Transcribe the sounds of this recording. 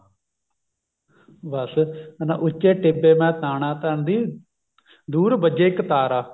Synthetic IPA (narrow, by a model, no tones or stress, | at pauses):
ʋəsna̰ʔʊt͡ʃːeːʈɪbeːmɛ̃ːt̪aːnãːt̪əɳd̪iː | d̪uːɾbəd͡ʒeːɪkt̪aːɾaː